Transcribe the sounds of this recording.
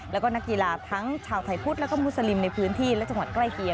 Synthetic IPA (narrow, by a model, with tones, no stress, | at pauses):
lɛ˦˥wkɔː˥˩na˦˥kːi˧laː˧t̪ʰa˦˥ŋt͡ɕʰaː˧wt̪ʰa˧˩jpʰu˦˥t̪̚lɛ˦˥wkɔː˥˩mu˦˥sa˧li˧mna˧jpʰɯː˦˥nt̪ʰiː˥˩lɛ˦˥t͡ɕa˧ŋwa˨˩t̪̚kla˥˩jki˧ə